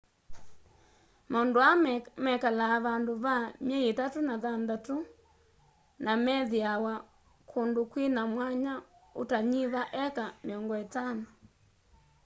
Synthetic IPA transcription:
maondoammɛkalaːβandoβamjɛjetatonaðandato | namɛðiawa | kʰondokwinamwaɲaotaɲiβaʔɛkameɔŋɡɔetanɔ

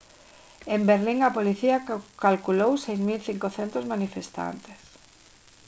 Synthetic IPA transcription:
embeɾliŋɐpoliθiakalkulowsejzmilθiŋkoθent̪ozmanifest̪a̰nt̪e̥s

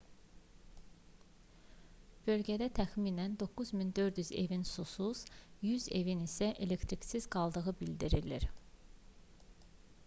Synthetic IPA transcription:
b̥ø̞lɟæd̪æt̪ʰæxmiːnænd̪o̞kuzmind̪ø̞ɾd̪jyze̞̰vinsusuz̥jyze̞vinisæʔe̞le̞kt̪ʰɾicsizɡɑlˠd̪ɯɣɯbild̪iɾilḭɾ

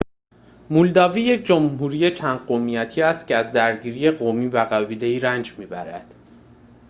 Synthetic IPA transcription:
muld̪ɒːviːje̞c̚ʰd͡ʒomɦuːɾiːjet͡ʃʰænd̪̥̚ɢomijæt̪ʰiːæst̪cʰeæzd̪æɾɟiːɾiːje̞ɢomiːvæɣæviːle̞iːɾænd͡ʒmiːbæɾæ̰d̪̥

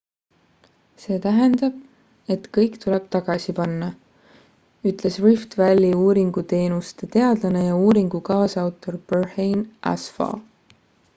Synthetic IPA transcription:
se̞ːt̪æɦend̪̥ɑb̥ | e̞t̪kɤjkt̪uleb̥t̪ɑɡ̥ɑsipɑnːɑ | yt̪ˑle̞srift̪vælʲːiuːɾiŋɡ̥ut̪e̞ːnust̪e̞t̪e̞ɑd̪̥lɑne̞jɑuːɾiŋɡ̥ukɑːsɑwt̪ːˑo̞rb̥ørhejnʔæ̰sfɑ̰

